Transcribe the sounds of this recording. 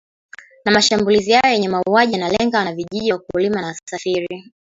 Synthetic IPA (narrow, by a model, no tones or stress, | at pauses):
namaʃambulizihajɔjɛɲɛmauaʄianalɛŋɡanaviʄiʄiwakulimanassafiɾi